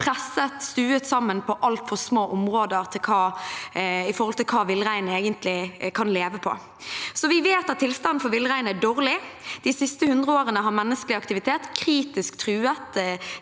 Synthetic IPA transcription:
pʰʁɛsət̪st̪ʉːət̪sɑmːənpʰɔʔɑlt̪fɔʁsmoːʔʊmʁoːd̪əʁt̪ʰɪlkʰɑː | ɪfɔɾhɔlt̪ɪlkʰɑːʋɪləʁæɪneːɡənt̪ʰlɪkʰɑnleːʋəpʰɔ̰ | sɔʋɪʋeːt̪ɑt̪ʰːɪlst̪ɑn̩fɔɾʋɪləʁæɪnæɖoːʁlɪd̪̥ɪsɪst̪əhʉnd̪ʁəoːʁənəɦɑmɛnːəskəlɪɑk̚t̪ɪʋɪt̪ʰeːt̪kʰʁiːt̪ɪskt̪ʰʁʉːət̪

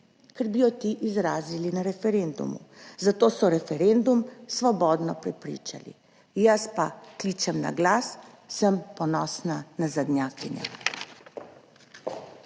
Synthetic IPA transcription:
kɛɾbijɔt̪iʔizɾaːzilinaɾɛfɛɾend̪ṵmṵzat̪oːsɔɾɛfɛɾend̪umsʋɔbɔːd̪nɔpɾɛpɾḭːt͡ʃa̰lḭ | jaspakliːt͡ʃɛmna̰ɡlaːsː | əmpɔnɔːsnanazad̪nʲjaːkiɲja̰

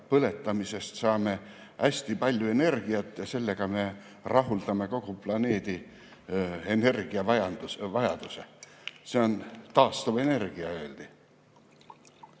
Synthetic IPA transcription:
pɤle̞t̪ːˑɑmise̞st̪sɑːme̞ | ʔæsʲt̪ipɑlʲjue̞ne̞rɡ̥iɑt̪ˑːjɑse̞lːe̞ɡ̥ɑme̞ | rɑɦuld̪̥ɑme̞ko̞ɡ̥uplɑne̞ːd̪̥i | ene̞rɡ̥iɑvɑjɑnuvɑjɑd̪̥use̞se̞o̞nt̪ɑːst̪uve̞ne̞rɡ̥iɑø̞ːld̪̥i

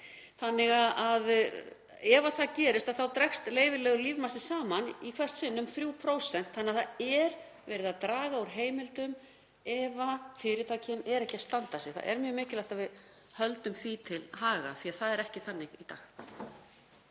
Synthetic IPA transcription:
θanːɪɣaðʔað | ɛvaθaðcɛːɾɪst̪aðθawt̪ɾɛkst̪leːjvɪlɛːɣʏliːvmasɪsaːmanikʰvɛr̥t̪sɪnːʏmθɾjuːwpʰɾoːwsɛn̥t̪hanːaθaɛɾ | vɛːɾɪðaðt̪ɾaːɣauɾ̥ɦeːjmɪlt̪ʏm | ɛvafɪɾɪɾt̪ʰaːjcʰɪnɛɾɛhcɪḁst̪ant̪asjɛɣθa̰ðɛ̰ɾmjœːmɪːcɪlajht̪aðvɪð | hœlt̪ʏmθvit̪ʰɪlɦaːɣa̰θiaðθaðɛɾɛhcɪθanːɪɣit̪a̰ːx

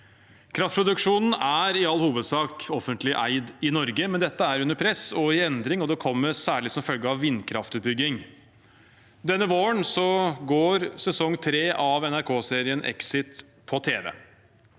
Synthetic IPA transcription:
kʰɾɑft̪̚pʰɾʊd̪ʉkʂuːnn̩æɾɪɑlːhuːʋəd̪sɑːkɔfənt̪lɪʔæ̰ɪd̪ɪnɔɾɡəmɛnd̪ɛt̪ːəæɾʉnːəɾpʰɾɛsɔɪɛnd̪ɾɪŋɔd̪ɛkʰɔmːəɾsæːɭɪsɔmfœlɡəɑʋːɪnkʰɾɑft̪ʉːt̪̚bʏɡːɪŋ | d̪ɛnːəʋoːəɳsɔɡoːɾsɛsɔŋːt̪ʰɾeːʔɑʋɛnæɾkʰoːseːɾɪənʔɛ̰ksɪt̪ | pʰɔt̪ʰeːʋɛ̰ː

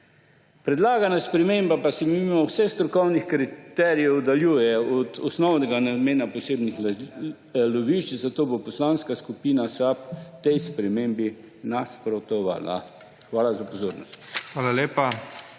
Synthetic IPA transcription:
pɾɛd̪laːɡanaspɾɛmembapasɛmiimawsɛxst̪ɾɔkɔwnixkɾit̪ɛːɾijɛwd̪aljuːjɛɔd̪ɔsnɔwnɛɡanad̪meːnaposeːbnix | loʋiʃt͡ʃzat̪oːbopɔslaːnskaskupiːnasapt̪ɛjspɾɛmeːmbi | naspɾɔt̪ɔʋa̰ːla̰ | xʋaːlazapozoːɾnɔ̰st̪xʋaːlaleːpa

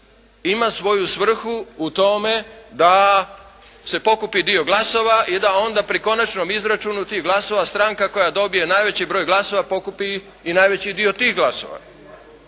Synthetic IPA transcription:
imasʋo̞jusʋr̩xuut̪o̞me̞d̪a | se̞po̞kupid̪io̞ɡlˠaso̞ʋaʔid̪ao̞nd̪apɾiko̞nat͡ʃno̞mizɾat͡ʃunut̪iːɦɡlaso̞ʋast̪ɾaŋkako̞jad̪o̞bije̞najʋe̞t͡ɕibɾo̞jɡlˠaso̞ʋapo̞kupiː | naːjʋe̞t͡ɕid̪io̞t̪iːɦɡlˠaso̞̰ʋa̰

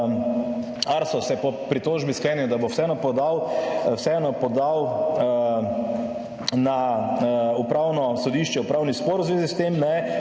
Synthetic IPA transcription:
aɾsɔsɛpɔpɾit̪oːʒbisklɛnid̪abowsɛɛnɔpɔd̪awwsɛɛnɔpɔd̪aw | na | upɾaːwnɔsɔd̪iːʃt͡ʃɛupɾaːwnispoɾʊzʋeːzist̪emnɛ

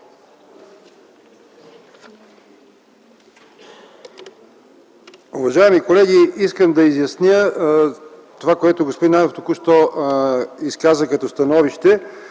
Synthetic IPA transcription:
uvɐʒaɛmikolɛɡiiskəmd̪ɐizjɐsnʲə | t̪ovakoɛt̪oɡospod̪inamoft̪okuʃt̪ɔ | iskazəkɐt̪ɔst̪ɐnɔviʃt̪ɛ

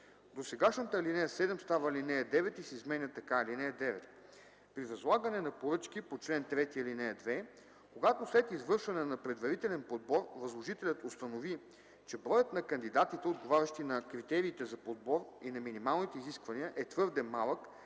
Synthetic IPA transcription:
d̪osɛɡaʃnət̪əlinɛjəsɛd̪ɛmst̪avɐlinɛjɐd̪ɛvɛt̪isɛizmɛnʲət̪ɐkalinɛjəd̪ɛvɛt̪̚ | pɾivɐzlˠaɡənɛnɐpoɾɤt͡ʃk̟ipot͡ʃlɛnt̪ɾɛt̪iəlinɛjɐd̪vɛ | koɡat̪oslɛt̪izvɤɾʃvɐnɛnɐpɾɛd̪vɐɾit̪ɛlɛnpod̪̚bɔɾvɐzlˠoʒit̪ɛlʲət̪ost̪ɐnovi | t͡ʃɛbɾɔjət̪nɐkɐnd̪id̪at̪it̪ɛod̪ɡovaɾʲɐʃt̪inɐkɾit̪ɛɾiːt̪ɛzɐpod̪̚bɔɾinɐminimalˠnit̪ɛiziskvɐniəʔɛt̪vɤɾd̪ɛmalˠək

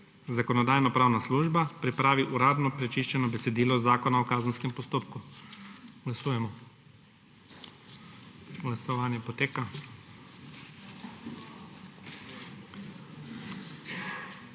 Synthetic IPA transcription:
zakɔnɔd̪aːjnɔpɾaːwnasluːʒbapɾipɾaːʋiʔuɾaːd̪nɔpɾɛt͡ʃiʃt͡ʃɛnɔbɛsɛd̪iːlɔzaːkɔnaɔkaːznskɛmpɔst̪oːpku | ɡlasuːjɛmɔ | ɡlasɔʋaːnjɛpɔt̪eːka

